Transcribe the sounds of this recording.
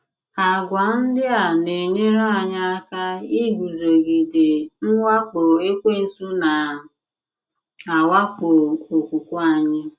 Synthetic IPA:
a˨ɡʷa˨n̩˦dɪ˦a˨ne˨ɲe˦ɾa˦a˨ɲa˦a˦ka˦i˦ɡʷu˨zo˨ɡi˨de˨ŋ̩˦wa˦k͡po˨e˦kʷe˦n̩˦su˦na˨ | a˨wa˦ko˨o˨kʷu˨kʷʊ˦a˨ɲɪ˦

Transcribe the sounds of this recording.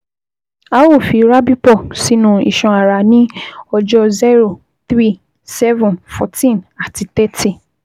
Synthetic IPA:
a˦wo˦˨fi˨˧ɾa˦bi˦pɔ˦˨si˨˦nũ˦˧ḭ˨ʃɔ̃˧a˨ɾa˨nĩ˦ɔ˧d͡ʒɔ˧zɛ˦ɾo˦˨ | θɾi˦˨ | sɛ˦vũ˨nfɔ̰˧tĩ˦˨na˨ti˧t̪ɛ˦ti˦˨

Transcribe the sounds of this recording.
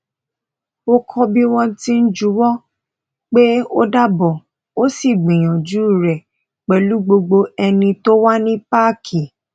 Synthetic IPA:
o˦kʰɔ˧bi˦w̃ɔ̃˧tĩ˦n̩˦d͡ʒu˨˦wɔ˦ | k͡pe˦o˦da˦bɔ˨ | o˦si˦˨ɡ͡bĩ˨j̃ã˨d͡ʒu˨˦˨ɾɛ˨ | k͡pɛ˨lu˨˦ɡ͡bo˧ɡ͡bo˧ɛ˧nĩ˧to˦wa˦nĩ˦pa˦˨kʰi˨

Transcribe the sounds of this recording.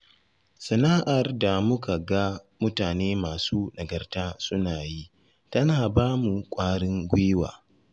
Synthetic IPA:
sɐ˨naː˦ʔa˨rda˨mʊ˦ka˨ɡa˦mʊ˦taː˨neː˦maː˨suː˦nɐ˨ɡɐ˨rtaː˦sʊ˦naː˨ji˦ | tɐ˦naː˨baː˦mu˨kʷʼaː˦ɽɪ˦ŋɡʷʊ˦wa̰ː˨

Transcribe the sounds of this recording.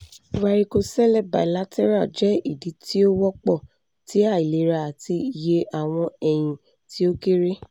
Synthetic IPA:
wa˧ɾi˧ko˧sɛ˦lɛ˦˨ba̰˨i˨la˨˦tʰɛ˦ɾa˦˨d͡ʒɛ˨˦i˦˨di˨˦ti˦o˦wɔ˦k͡pɔ˦˨ | ti˨˦a˦˨i˨le˨˦ɾa˧˨a˨ti˧˨je˧ʔa˨w̃ɔ̃˧ɛ˨j̃ĩ˧ | ti˦o˦ke˦ɾe˦

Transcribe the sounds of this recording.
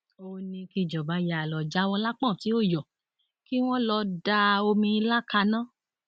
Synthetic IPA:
o˧nĩ˧ki˧˨d͡ʒɔ˨ba˨˦ja˨lɔ˨d͡ʒa˨˦w̃ɔ̃˧la˦k͡pã˦˨ti˨˦o˦˨jɔ˨ | ki˦w̃ɔ̃˦lɔ˧da˧o˧mĩ˧i˧la˦ka˧nãː˦

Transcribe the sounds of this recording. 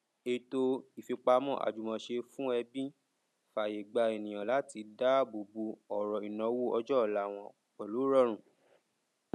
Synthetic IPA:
e˦˧˨to˧i˨fi˧k͡pa˧mɔ̃˦˨ʔa̰˨d͡ʒu˨mɔ̃˧˨ʃe˧fũ˦ɛ˧bĩ˦ | fa˨je˨ɡ͡ba˧e˨nĩ˨j̃ã˨la˨˦ti˧da˦bo˨bu˧˦ɔ˨ɾɔ˨i˨nɔ̃˨˧˦wu˦ɔ˧d͡ʒɔ˦˨la˨˦˨w̃ɔ̃˧˨ | k͡pɛ˨lo˨˦ɾɔ˦˨ɾ̃ũ˨

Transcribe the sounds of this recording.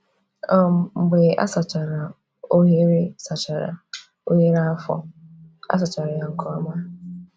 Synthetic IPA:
ɔ˦m̩˨ŋ͡m̩˨ɡ͡be˨a̰˦sa˨t͡ʃa˨ɾa˨ | o˦ɦe˦ɾe˦sa˨t͡ʃa˨ɾa̰˨ | o˦ɲe˦ɾa˦fɔ̰˦a̰˦s̬a˨t͡ʃa˨ɾa˨ja˨ŋ̩˨kɔ˦ɔ˦ma˦

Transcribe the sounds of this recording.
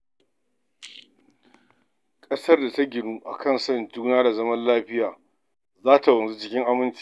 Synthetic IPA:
kʼɐ˦sɐ˦rda˨ta˦ɡʲɪ˨nuː˦ʔa̰˨kɐ˦˨nsɐ˦˨nd͡ʒuː˦naː˦da˨zɐ˦mɐ˦nlaː˦ɸɪ˦jaː˨ | zaː˦ta˨wɐ˨nzu˦t͡ʃɪ˦kʲɪ˦ŋʔa˦mɪ˦nt͡ʃi̥˦

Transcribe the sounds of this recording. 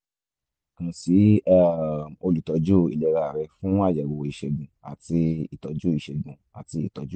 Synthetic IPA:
ŋ̩̃˨si˨˦ɛ˦o˧li˨tɔ˨˦d͡ʒo˦˨ḭ˨lɛ˨˧ɾa˧˨ɾɛ˧fũ˦a˦˨d͡ʒɛ˨wo˨i˨˧ʃɛ˧ɡũ˨a˨ti˧ḭ˨tɔ˨˦d͡ʒu˦i˨ʃɛ˨ɡ͡bũ˨ | a̰˨ti˧ḭ˦˨tɔ˨˦d͡ʒu˦

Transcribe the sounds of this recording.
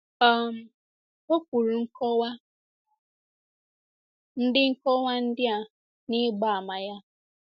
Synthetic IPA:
ɔ˨m˨ | o˦kʷu˨ɾu˨ŋ̩˦kɔ˦wa˦ | n̩˦dɪ˦ŋ̩˦kɔ˦wa˦n̩˦dɪ˦a˨ | nɪ˦ɡ͡ba˦˨a˨ma˨ja˦

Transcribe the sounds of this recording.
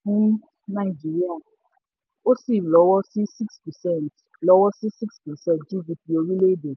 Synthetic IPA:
i˦n˦ | na˨ɪ˨d͡ʒi˨ɾi˦a˨ | o˦si˦˨lɔ˨˦wɔ˦si˦si˦kspɛ˨sɛ˦˨nt | lɔ˦wɔ˦si˦si˦kspɛ˨sɛ˦˨td͡ʒu˦ɡi˨pi˨o˨ɾi˦le˦do˨

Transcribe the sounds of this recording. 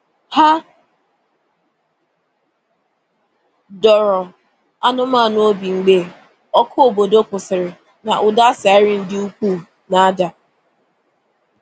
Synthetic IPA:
ha˦ | dɔ˨ɾɔ˨ | a˦nʊ˦ma˦˨no˦o˦bi˨ŋ͡m̩˨ɡ͡be˦˨ | ɔ˦kʰʊ˦o˨bo˨do˦kʊ˨sɪ˨ɾɪ˨ | na˨ʔʊ˨da˦sa˨ɪ˦ɾɪ˦n̩˦dɪ˦u˦k͡pu˦˨ | na˨a˦da˨

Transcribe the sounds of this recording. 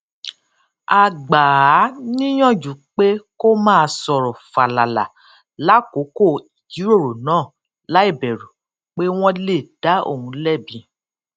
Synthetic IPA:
a˨ɡ͡ba˨a˨˦nĩ˦j̃ɔ̃˦˨d͡ʒu˨˦k͡pe˦ko˦mãː˦˧sɔ˧ɾɔ˨fa˨la˨la̰˨ | la˨˦ko˨˦ko˦˨i˨d͡ʒi˨˦ɾo˦˨ɾo˨nãː˦˨ | la˦i˦˨bɛ˨ɾu˨ | k͡pe˦w̃ɔ̃˦le˦˨da˨˦o̰˦˨hũ˧lɛ˦˨bĩ˧

